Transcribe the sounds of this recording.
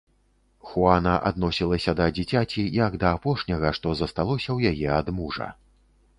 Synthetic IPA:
xuanɐʔa̰d̪nɔsʲilˠɐsʲɐd̪ɐd͡zʲit͡sʲat͡sʲijɐɡd̪ɐːpɔʂnʲɐɣɐʂt̪ɔzɐst̪alˠɔsʲɐwjajɛad̪muʐɐ̰

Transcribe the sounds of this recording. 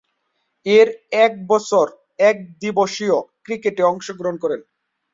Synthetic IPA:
eɾɛk̚bɔt͡ɕʰoɾ | ɛk̚d̪iboʃiokɾikeʈeɔŋʃoɡɾoɦonkɔɾen

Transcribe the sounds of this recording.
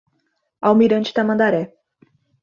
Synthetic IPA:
awmiɾɐ̃nt͡ʃi̥t̪amɐ̃nd̪aɾɛ

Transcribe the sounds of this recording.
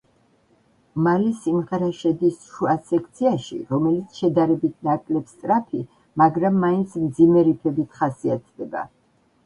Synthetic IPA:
malɛsimʁɛɾaʃɛd̪isʃuasɛkʰt̪sʰiaʃḭɾɔmɛlit̪sʰʃɛd̪aɾɛbit̪ʰnakʼlɛpst̪sʼɾapʰi | maɡɾamːaint̪sʰmd̪zimɛɾipʰɛbit̪ʰχasiat̪̚ʰd̪ɛba̰

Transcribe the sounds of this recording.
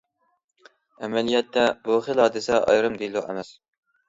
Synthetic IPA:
ɛmɛlijɛt̪ʰːɛbuχilˠɦɑːd̪ɨsɛʔɑ̰jɾɨmd̪ejlˠuʔæ̰mɛs

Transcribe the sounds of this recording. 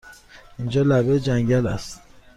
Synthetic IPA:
ind͡ʒɒːlæbed͡ʒæŋɟælæst̪

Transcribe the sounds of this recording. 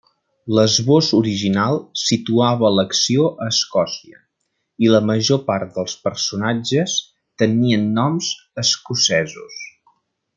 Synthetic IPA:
ləzβozuɾiʒinalˠsit̪uaβələksioʔəːskɔsiə̰ | iləməʒopaɾt̪̚d̪əlˠspəɾsunad͡ʒəs | t̪əniənːɔmz | əskusɛzṵs

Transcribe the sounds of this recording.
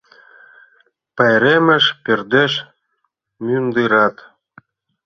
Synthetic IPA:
pɑjɾemə̆ʃperd̪eʃ | mynd̪ɨɾɑt̪

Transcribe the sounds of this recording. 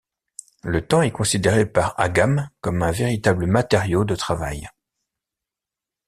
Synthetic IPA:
lət̪ɑ̃ɛkɔ̃sid̪eʁepaʁa̰ɡamkɔmɛ̃veʁit̪abləmat̪eʁjod̪ət̪χavaj

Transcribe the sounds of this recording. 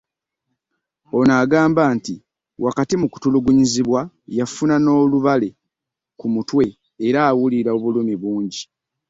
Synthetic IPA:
o̞naːɡaːmbaːnti | wʔakatimuku̥tuluɡuɲiziβwa | jafunano̞ːluβale̞ | kumutwe̞ː | ɾaːwuliɾaoβulumiβuːɲɟi

